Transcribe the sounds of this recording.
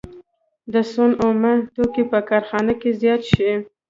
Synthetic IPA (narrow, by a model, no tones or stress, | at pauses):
d̪əsonomat̪okepəkɑɾxɑnakezjɑt̪ʃi